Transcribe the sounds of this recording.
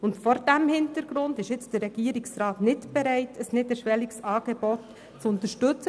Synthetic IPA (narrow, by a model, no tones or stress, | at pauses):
ʊntfɔɾdæmhɪntəɾɡ̥ɾʊndɪʃɪt͡sd̥ərːɛɡ̥iəɾiksɾɑːtnɪtb̥ɛɾɛɪtʰəsnɪtɛɾʃʋɛliksɑːɡ̥eb̥ɔt | t͡sʊntəɾʃtʏt͡sə